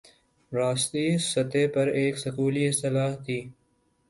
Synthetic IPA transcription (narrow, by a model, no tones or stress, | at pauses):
ɾaːst̪iːsət̪eːpɐɾeːksəkuːliːɪst̪ɪlaːɦt̪ʰiː